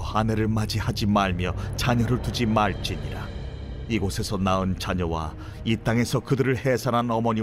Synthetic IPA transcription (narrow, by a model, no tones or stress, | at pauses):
ane̞ɾɯɭmad͡ʑihad͡ʑimaɭmjʌt͡ɕaɲʌɾɯɭtud͡ʑimaɭt͡ɕ͈iɲiɾa | iɡosʰe̞sʰʌnaɯnt͡ɕaɲʌwa | it͈aŋe̞sʰʌkɯdɯɾɯɭhe̞sʰananʌmʌɲi